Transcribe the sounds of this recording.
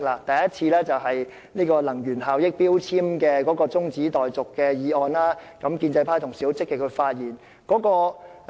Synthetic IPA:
laː˨˩t̪ɐ˨jɐ˥t̚t͡sʰiː˧lɛː˥t͡sɐ˨whɐ˨j | niː˥kɔː˧lɐ˨˩ŋjyː˨˩nɦaː˨wjɪ˥k̚piː˥wt͡sʰiː˥mkɛː˧kɔː˨˥kɔː˧t͡sʊ˥ŋt͡siː˨˥t̪ɔː˨jt͡sʊ˨kːɛː˧jiː˨˧ɔː˨˧nlaː˥kɐ˨˥mkiː˧nt͡sɐ˧jpʰaː˥t̪ʰʊ˨˩ŋsi˨˥˦wt͡sɪ˥kːɪ˨kʰɵ˧ɥfaː˧t̚jiː˨˩n | kɔː˨˥kɔː˧

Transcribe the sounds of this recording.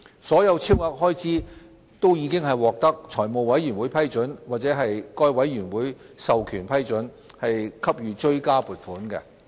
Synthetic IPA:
sɔː˨˥jɐ˨˧wt͡sʰiː˥waː˨˥k̚ɦɔː˥jt͡sʰiː˨˥ | t̪o˥wjiː˨˧˥kɪ˥ŋɦɐ˨˩jwɔː˨k̚t̪ɐ˥k̚t͡ʃʰɔː˨˩jmo˨wwɐ˨˥jɥyː˨˩nwuː˨˥jpʰɐ˥jt͡ʃɵ˨˥nwaː˨˩t͡sɛː˨˥ɦɐ˨jkɔː˧jwɐ˨˥jːyː˨˩nwuː˨˥j | sɐ˨wkʰyː˨˩npʰɐ˥jt͡ʃɵ˨˥n | hɐ˨jkʰɐ˥p̚jyː˨˧t͡ʃɵ˥ɥkaː˥puː˨t̚fuː˨˥nkɛ̰˧

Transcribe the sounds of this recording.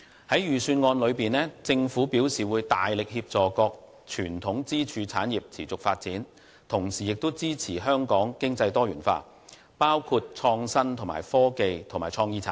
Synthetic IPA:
hɐ˨˥jjyː˨˩syː˧nŋɔː˧nlɵ˨˧ɥpiː˨nlɛː˥t͡sɪ˧ŋfu˨˥piː˨˥wsiː˨wuː˨˧jt̪aː˨jlɪ˨k̚hiː˧p̚t͡sɔː˨kɔː˧k̚ | t͡ʃʰyː˨˩nt̪ʰʊ˨˥ŋt͡siː˥t͡ʃʰyː˧t͡sʰaː˨˥njiː˨p̚t͡sʰiː˨˩t͡sʊ˨k̚faː˧t̚t͡siː˨˥n | t̪ʰʊ˨˩ŋsiː˨jɪ˨k̚t̪wt͡siː˥t͡sʰiː˨˩ɦœː˥ŋkɔː˨˥ŋkɪ˥ŋt͡sɐ˧jt̪ɔː˥jyː˨˩nfa̰ː˧ | paː˥wkʰu˧t̚t͡ʃʰɔː˧ŋsɐ˥nt̪ʰʊ˨˩ma̰ː˨˩jfɔː˥ke˨jt̪ʰʊ˨˩ŋmaː˨˩jt͡ʃʰɔː˧ŋjiː˥t͡sʰa̰ː˨˥n

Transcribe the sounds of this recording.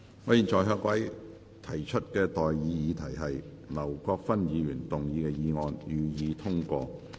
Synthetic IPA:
ŋɔː˨˧jiː˨˩nt͡sɔː˨jɦœː˧kwɐ˨˥j | t̪ʰɐ˨˩jt͡ʃʰɵ˥t̚kɛː˧t̪ɔː˨jjiː˨˧jiː˨˧t̪ʰɐ˨˩jɦɐ˨j | lɐ˨˩wkɔː˧k̚fɐ˥njiː˨˧jyː˨˩nt̪ʊ˨ŋjiː˨˧kɛː˧jiː˨˧ŋɔː˨˧njyː˨jiː˨˧t̪ʰʊ˥ŋkʷɔː˧

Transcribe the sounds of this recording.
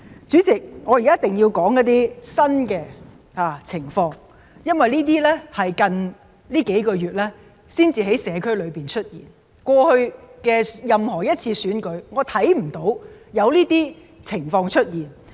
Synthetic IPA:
t͡syː˨˥t͡sɪ˨k̚ŋɔː˨˧ji˨kaː˦˥t̪ɪ˨ŋjiː˧wkɔː˨˥ŋjɐ˥t̚t̪iː˥sɐ˥nkɛː˧ | haː˨˩t͡sʰɪ˨˩ŋfɔː˧ŋ | jɐ˥nwɐ˨jliː˥t̪̬iː˥lɛ˥hɐ˨jkɐ˨˧n | liː˥ke˨˥jkɔː˧ɥyː˨t̚lɛː˥ | siː˥nt͡siː˨ɦe˨˥jsɛː˨˧kʰɵ˥ɥlɵ˨˧ɥpiː˨˩nt͡ʃʰɵ˥t̚jḭː˨˩n | kʷɔː˧hɵ˧ɥkɛː˧jɐ˨mhɔː˨˩jɐ˥t̚t͡sʰiː˧syː˨˥nkɵ˨˧ɥŋɔː˨˧t̪ʰɐ˨˥jm̩˨˩t̪o˨˥wjɐ˨˧wliː˥t̪iː˥ | t͡sʰɪ˨˩ŋfɔː˧ŋt͡ʃʰɵ˥t̚jiː˨˩n

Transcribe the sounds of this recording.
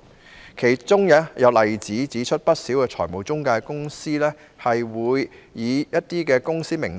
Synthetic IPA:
kʰe˨˩jt͡sʊ˥ŋjɐ˧jɐ˨˧wlɐ˨jt͡siː˨˥t͡siː˨˥t͡ʃʰɵ˥t̚pɐ˥t̚siː˨˥wkɛː˧t͡ʃʰɔ̰ː˨˩mo˨˩wt͡sʊ˥ŋkaː˧kʊ˥ŋsiː˥lɛː˥ | hɐ˨jwuː˨˧jːiː˨˧jɐ˥t̚t̪iː˥kɛː˧kʊ˥ŋsiː˥mɪ˨˩ŋ

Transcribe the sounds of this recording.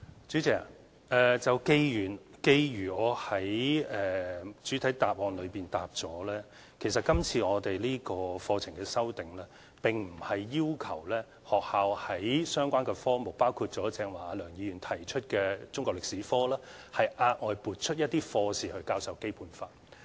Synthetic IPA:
t͡ʃy˨˥t͡sɛː˨˩a˨˩ | ʔɛː˨t͡sɐ˨wke˧jyː˨˩nke˧jɥyː˨˩ɔː˨˧hɐ˨˥jɛː˨˧t͡ʃyː˨˥t̪ʰɐ˨˥jt̪aː˨p̚wɔː˧nlɵ˨˧ɥpiː˨nt̪aː˨p̚t͡sɔː˨˥lɛː˥ | kʰe˨˩js̬ɐ˨t̚kɐ˥mt͡sʰiː˧ɔː˨˧t̪e˨jliː˥kɔː˧fɔː˧t͡sʰɪ˨˩ŋkɛː˧sɐ˥wt̪ɪ˨ŋlɛː˥ | pɪ˨˩ŋm̩˨˩hɐ˨jːiː˥wkʰɐ˨˩wlɛː˥ | hɔː˨k̚haː˨˧whɐ˨˦jsœː˥ŋkʷaː˥nkɛː˧fɔː˥mo˨w̚paː˥wkʰuː˧t̚t͡ʃɔː˨˥t͡sɛː˧ŋwaː˨aː˨˧lœː˨˩ŋjiː˨˧jy˨˩nt̪ʰɐ˨˩jt͡ʃʰɵ˥t̚kɛː˧t͡sʊ˥ŋkɔː˧k̚lɪ˨k̚siː˨˥fɔː˥lɛː˥hɐ˨jʔaː˧t̚ŋɔː˨˧jpuː˨˩t̚t͡ʃʰɵ˥t̚jɐ˥t̚t̪iː˥fɔː˧siː˨hɵ˧ɥkaː˧˥wsɐ˨˧wke˥jpʰuː˧nfaː˧t

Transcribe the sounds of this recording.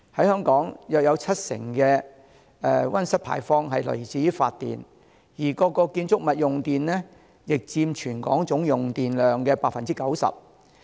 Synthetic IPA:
hɐ˨˥jhœː˥ŋkɔː˨˥ŋjœː˨k̚jɐ˨˧wt͡sʰɐ˥t̚sɪ̰˨˩ŋkɛː˧ | ɛ˨˧wɐ˥nsɐ˥t̚pʰa̰ː˨˩jfɔː˧ŋɦɐ˨jlɵ̰˨˩ɥt͡siː˨˥fa̰ː˧t̚t̪ːḭː˨˩n | jiː˨˩kɔː˧kɔː˧kiː˧nt͡sʊ˥k̚mɐ˨t̚jʊ˨ŋt̪iː˨nlɛː˥ | jɪ˨k̚t͡siː˧mt͡ʃʰyː˨˩nkɔ̰ː˨˥ŋt͡ʃʊ˨˥ŋjʊ˨ŋt̪iː˨nlœː˨ŋkɛː˧paː˧k̚fɐ˨nt͡siː˥kɐ˨˥wsɐ̰˨p̚

